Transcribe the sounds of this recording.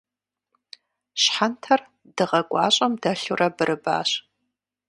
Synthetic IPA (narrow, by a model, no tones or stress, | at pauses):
ɕħantʰɐr | dɨʁɐɡʷʼɑːɕʼɐmdɐɬurʔɐbɨɾʔɨba̰ːɕ